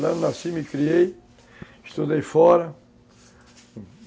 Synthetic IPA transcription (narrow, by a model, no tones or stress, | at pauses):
lɐ̃d̪asĩmikɾiej | ʃt̪ud̪ejfɔɾɐ